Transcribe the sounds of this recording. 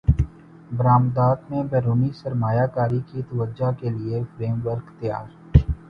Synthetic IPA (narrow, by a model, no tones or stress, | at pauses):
bəɾaːmd̪aːt̪mẽbɛːɾuːnisəɾmaːjakaːɾikit̪əʋəd͡ʒakeliefɾeːmʋəɾkt̪ɪja̰ːɾ